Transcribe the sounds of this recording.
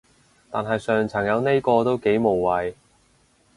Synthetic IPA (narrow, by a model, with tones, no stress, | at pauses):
t̪a̰ː˨nɦɐ˨jsœː˨ŋt͡sʰɐ˨˩ŋjɐ˨˧wne˥jkɔː˧t̪o˥wke˨˥jmo˨˩wːɐ˨j